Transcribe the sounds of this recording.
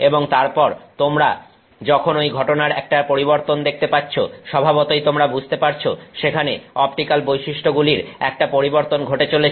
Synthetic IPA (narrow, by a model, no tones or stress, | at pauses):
eboŋt̪aɾpɔɾt̪omɾa | d͡ʑɔkʰonojɡʱɔʈonaɾɛk̚ʈapoɾiβoɾt̪ond̪ek̚ʰt̪epatːt͡ɕʰo̰ʃɔbʱabot̪ojt̪omɾabud͡ʑʱt̪epaɾt͡ɕʰoʃekʰaneɔpʈikalbojʃiʃʈʰoɡuliɾɛk̚ʈapoɾiboɾt̪onɡʱoʈet͡ɕole